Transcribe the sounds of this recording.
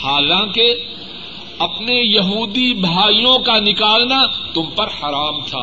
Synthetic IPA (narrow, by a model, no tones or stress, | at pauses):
haːlãːke | ɐpnejɐɦuːd̪ibʱaːijõkanɪkaːlnat̪ʊmpɐɾhɐɾaːmt̪ʰa̰ː